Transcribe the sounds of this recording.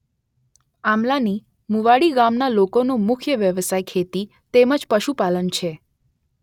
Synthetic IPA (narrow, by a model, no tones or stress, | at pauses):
amlani | muʋaɽiɡamnalokonũmʊkʰjəʋjəʋsajkʰet̪i | t̪eməd͡ʒpəʃupalənt͡ʃʰe